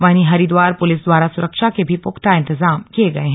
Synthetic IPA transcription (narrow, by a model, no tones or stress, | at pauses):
ʋaːniɦɐɾid̪ʋaːɾpʊlɪsd̪waːɾasʊɾəkʃakebʱipʊkt̪aɪ̃nt̪ɪzaːmkieɡɐeɦɛ̃